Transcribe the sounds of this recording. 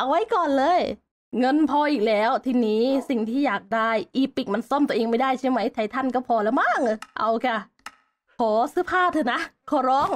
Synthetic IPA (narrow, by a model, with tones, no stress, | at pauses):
ʔa˧wa˦˥jkɔː˨˩nlɤː˧˨j | ŋɤ˧˥˨npʰɔː˧ʔiː˨˩k̚lɛː˦˥wt̪ʰiː˧niː˦˥si˨˩ŋt̪ʰiː˥˩jaː˨˩k̚daː˥˩jʔiː˧˩pi˨˩k̚ma˧˥nsɔ˥˩˨mt̪u˧ʔeː˧ŋma˥˩jdaː˥˩jsʰa˥˩jma˦˥jt̪ʰa˨˩jt̪ʰa˧˥˩nkɔː˥˩wpʰɔː˧lɛː˦˧˩wmaː˥˩ŋ̚ɯ˧˩ʔa˧˩wka˧˩ | kʰɔː˩˦sɯː˧˥pʰaː˥˩t̪ʰɯː˧˩na˦˥kʰɔː˩˦ɾɔː˦˥˩ŋ